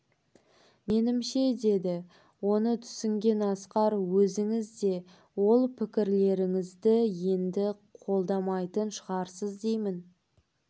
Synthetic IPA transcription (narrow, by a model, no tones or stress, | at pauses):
me̞nɪmʃe̞d̪e̞d̪ɪ | wo̞nət̪ʰʏ̥sɪŋɡʲe̞nɑsqɑɾwɵzɪŋɪzd̪e̞ | wo̞lˠpʰɪkʲɪɾle̞ɾɪŋɪzd̪ɪje̞nd̪ɪ | qʰo̞lˠd̪ɑmɑjt̪ənʃəʁɑɾsəzd̪e̞jmɪn